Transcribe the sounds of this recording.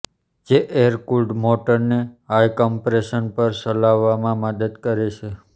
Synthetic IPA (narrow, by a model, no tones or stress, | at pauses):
d͡ʒeʔeɾkulɖmoʈəɾneɦajkɔmpɾeʃənpəɾsəlaʋːamãməd̪əd̪kəɾet͡ʃʰe